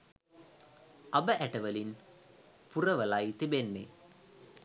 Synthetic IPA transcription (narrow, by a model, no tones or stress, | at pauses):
ʔɐbəʔæʈɐʋɐlin | purɐʋɐlajt̪ibenːḛ